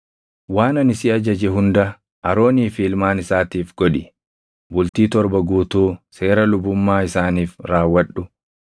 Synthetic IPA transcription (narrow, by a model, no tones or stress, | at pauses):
waːnɐnɪsiɐd͡ʒɐd͡ʒɛɦʊnd̪ɐ | ɐɾo̞ːniːfiːlmaːnɪsaːt̪iːfɡ̥ɔᶑɪ | bʊlt̪iːt̪ɔɾbɐɡuːt̪uːse̞ːɾɐlʊbʊmːaːɪsaːniːfɾaːwːɐᶑʊ